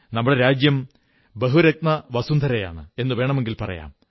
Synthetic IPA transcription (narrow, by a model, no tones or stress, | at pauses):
nɐmːuɽeɾaːd͡ʑjɐm | beɦuɾɐk̚t̪nɐʋɐsund̪ʱɐɾɐja̰ːɳɨe̞nːɨʋe̞ːɳɐme̞ŋɡilpɐrɐ̰ja̰ːm